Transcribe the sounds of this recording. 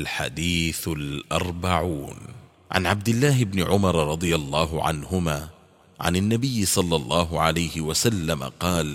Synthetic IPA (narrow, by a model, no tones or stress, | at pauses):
lħa̰d̪iːθlʔɑɾˤbaʕuːn | ʕa̰nʕab̚d̪ɪlːaːɦɪbnɪʕʊmɑɾˤɾˤɑd̪ˤɨjalˤːɑːɦʊʕa̰nhʊmaː | ʕa̰nanːabɪjːɪsˤɑlːɑlˤːɑːɦʊʕalajhɪwasalːama̰qɑːl